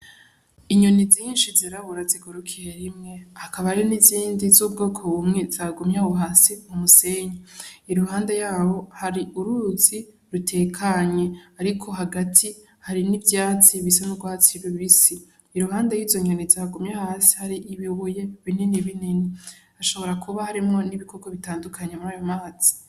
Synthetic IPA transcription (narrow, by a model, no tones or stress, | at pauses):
iɲo̞niziːnʃiziɾaβuɾaziɡoɾukʰijeɾimŋe̞hakʰaβaɾiniziːndizuːb̚ɡo̞ːkʰoβumŋez̥aːɡomɲaβuɦaːsimumuse̞ɲaiɾuɦaːndejaːho̞haɾiʔuɾuɾuzi | ɾutʰe̞ːkʰaɲe̞aɾikʰo̞ɦaɡatʰi | haɾinivjaːt͡siβisanubɡwaːt͡siβiβisiː | ɾuɦaːndejiːzoɲonizaɡumɲahaːsi̥haɾiʔiβiβuje̞βininiβinini | aʃo̞βo̞ɾakʰuβahaɾimŋo̞niβiko̞ɡoβitaːndukʰaɲemuɾaːjo̞maːz̥i̥